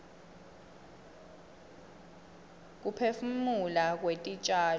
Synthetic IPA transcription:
k̬upʰefumulak̬wetʼit͡ʃʼaː

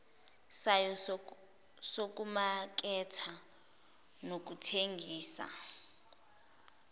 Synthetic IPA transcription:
sajɔ | sok̬ʼumak̬ʼɛtʰa | nok̬utʰeŋɡʱiːsa̰

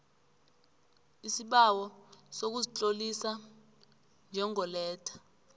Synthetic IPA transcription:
isiɓawɔsok̬uzit͡ɬʼolisa | nd͡ʒʱɛŋɔlɛːtʰḁ

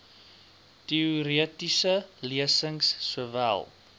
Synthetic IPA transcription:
tiuɾiətisəliəsəŋsːuəvæ̰lˠ

